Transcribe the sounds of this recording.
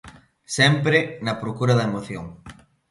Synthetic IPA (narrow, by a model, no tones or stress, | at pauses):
sɛmpɾɪnɐpɾokuɾɐðɐemoθjoŋ